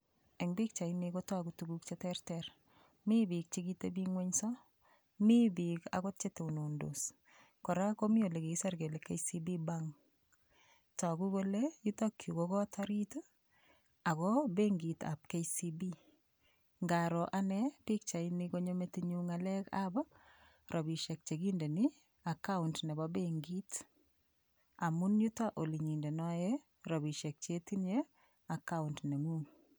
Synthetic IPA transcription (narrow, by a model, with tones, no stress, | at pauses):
ɛ˨ŋbɪ˦k̚t͡ʃa˨inikɔtwakutuɡuk̚t͡ʃetɛrtɛɾ | mi˦bi˨k̚t͡ʃiɡitebiŋweɲsɔ˦ | mi˦bika̰kɔt̚t͡ʃete˨uno˨ndos | kɔɾa˦komi˦o˨le˨ke˨sa˦ɾke˨le˨kejsi˦bi˦baŋ | ta˨kuboleju˦takʰːju˨kokɔ˦a˦twaɾito˦ | a˨kɔbe˦ŋɡi˨ta̰˨p̚ke˦isi˦bi˦ | ŋɡa˨ɾɔ˨ʔa˦nɛ˦pi˦k̚t͡ʃa˨i˦nɪ˦ko˦ɲo˦me˦ti˦ɲu˦ŋa˨lɛ˦ka̰˦bɔ˦ | ɾʔɔ˨bi˨ʃe˨k̚t͡ʃe˨ɡi˦nde˨ni˦ | a˨ka˦ʊntnɛ˨bɔ˦be˦ŋɡi˦t | a˨mu˦nju˦ta˦ʔo˨li˨ɲi˨nde˨nɔ˦je˦ | ɾɔ˨bi˨ʃe˨k̚t͡ʃe˦ti˦nje˦ | a˨ka˦untne˨ŋu˦ŋ